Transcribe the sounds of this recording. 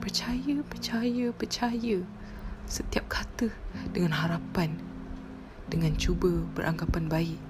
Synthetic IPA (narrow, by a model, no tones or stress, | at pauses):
pərt͡ʃajəpərt͡ʃajəpərt͡ʃajə | sət̪iap̚kʰat̪əd̥əŋãnɦaɾapan | dəŋãnt͡ʃubəb̥ə̰ɾʔa̰ŋɡapanbaiʔ